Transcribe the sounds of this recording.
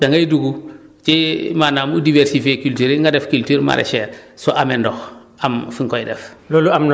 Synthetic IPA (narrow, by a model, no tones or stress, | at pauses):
daŋɡajduɡut͡ʃimanaːmudivɛɾsifekyltyɾeŋɡadɛfkyltyːɾma̰ɾɛ̰ʃɛːɾsɔʔamɛndɔx | amfiŋkɔjdɛfloluamn